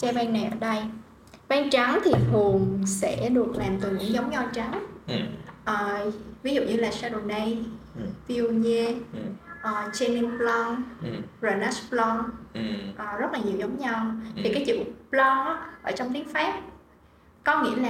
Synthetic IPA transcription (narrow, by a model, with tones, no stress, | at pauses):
t͡ɕɛ˧ɓɛː˧ŋna˨˩jʔəː˧˩ɗə˧j | ɓaː˧ŋt͡ɕa˨˦ŋt̪ʰi˨˩fʰu˨˩əŋsɛ̰˧˥ɗu˨˩ək̚laː˨˩mt̪ɨ˨˩ɲɨ̰˧˥ŋzə˨˦wŋ͡mɲɔ˧t͡ɕa˨˦ŋ | ʔəː˨˩vi˨˦zṵ˧˨ɲɨ˧laː˨˩sa˧ɗo˨˩nə˧jvi˧u˧ɲe˧ | ʔəː˨˩t͡ɕɛ˧ni˧mplɔ˧ŋzoː˨˩na˦˥splɔ˧ | ʔəː˨˩zə˦˥t̚laː˨˩ɲi˨˩əwzə˨˦wŋ͡mɲa˧wt̪ʰi˨˩kaː˨˦jt͡ɕṵ˧˩˨plɔ˧ʔʔəː˧˩t͡ɕɔ˧wŋ͡mt̪i˨˦əŋfaː˦˥p̚ | kɔ˨˦ŋḭ˧˥əlaː˨˩